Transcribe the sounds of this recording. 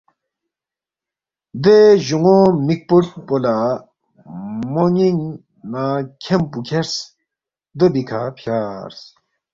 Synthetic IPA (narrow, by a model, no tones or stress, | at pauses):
d̪eʑuŋomik̚puʈpola | moŋiŋ | nakʰempukʰeɾs | d̪əbikʰapʰjaːɾs